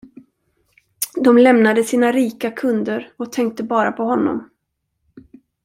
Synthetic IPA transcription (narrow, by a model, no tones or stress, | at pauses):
d̪ɔmlɛmnad̪əsiːnaɾiːkakʰɵnd̪əɾɔt̪ʰɛŋk̚t̪əbɑːɾapʰɔhɔnːɔ̰m